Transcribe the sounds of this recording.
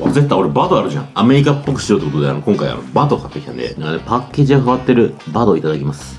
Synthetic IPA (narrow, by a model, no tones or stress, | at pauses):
azet̪ːaoɾe̞bad̪o̞aɾɯ̟ʑã̰ame̞ɾʲikapːo̞kɯ̟̥ɕio̞t̪ːeko̞t̪o̞d̪ea̰no̞kõ̞ŋkaia̰nobad̪o̞kʰat̪ːeki̥t̪ã̰nd̪ḛnãŋkːanepakʲːe̞ːʑiɡakaβat̪ːe̞ɾɯ̟bad̪o̞it̪ad̪akʲimasɨ̥